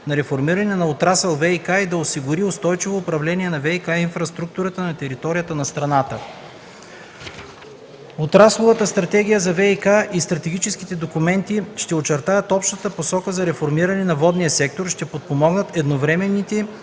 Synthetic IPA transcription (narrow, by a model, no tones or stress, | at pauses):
nɐɾɛfoɾmiɾɐnɛnɐot̪ɾasɛlˠvɛikaid̪ɐosiɡʊɾiost̪ɔjt͡ʃivoːpɾɐvlɛniɛnɐvɛikainfɾɐst̪ɾuk̚t̪uɾət̪ənɐt̪ɛɾit̪ɔɾijət̪ənɐst̪ɾɐnat̪ə | ot̪ɾaslˠovət̪əst̪ɾɐt̪ɛɡʲijəzɐvɛikaʔist̪ɾɐt̪ɛɡ̟it͡ʃɛsk̟it̪ɛd̪okumɛnt̪iʃt̪ɛot͡ʃɛɾt̪ajət̪ɔpʃt̪ət̪əposɔkəzɐɾɛfoɾmiɾɐnɛnɐvɔd̪nijəsɛk̚t̪oɾʃt̪ɛpot̪̚pomɔɡnət̪ɛd̪novɾɛmɛnːit̪ɛ